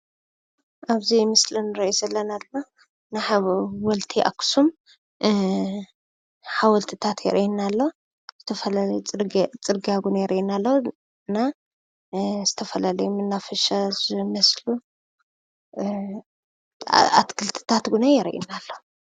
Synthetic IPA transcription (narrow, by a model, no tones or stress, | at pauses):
ʔaβzimɨslɨnɨɾɐjizɐlːɐnad̪ɨma | naħawɔlt̪ʰiʔa̰kʰu̥sum | ħawɔlt̪ʰɨt̪ʰat̪jɛ̰ɾʔinːalːo | z̥ɨt̪ʰɐfɐlajʼt͡sʼɨɾɡiaɡunɐjɛɾʔinalːo | ɨna | z̥ɨt̪ʰɐfɐlalɐjumɨnːafɐʃazɨmɐslu | a̰t̪kʰɨlt̪ʰɨ̥t̪ʰat̪ɡunajɛɾʔḭnalːo